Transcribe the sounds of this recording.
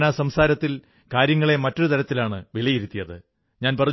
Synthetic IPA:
naːsɐmsaːɾɐt̪ːil | kaːɾjɐŋːɐɭe̞mɐtːo̞ɾut̪ʰɐɾɐt̪ːilaːɳɨʋeɭijiɾut̪ːijɐðɨ | ɲaːnpɐrɐ

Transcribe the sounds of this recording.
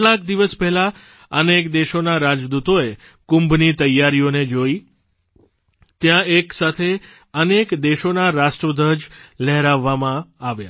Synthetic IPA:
lak̚d̪iʋəspɛɦla | ənekd̪eʃonaɾad͡ʒd̪ut̪oe | kumbʱnit̪əjaɾioned͡ʒoi | t̪jãeksat̪ʰe | ənekd̪eʃonaɾasʈɾəd̪ʱəd͡ʒlɛɦɾaʋːamãaʋja̰

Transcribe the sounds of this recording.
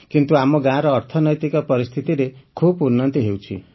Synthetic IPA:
kint̪uamoɡãɾʌːɾt̪ʰʌnʌjt̪ikapʌɾist̪ʰit̪ilekʰubunːʌnt̪iɦewt͡sʰḭ

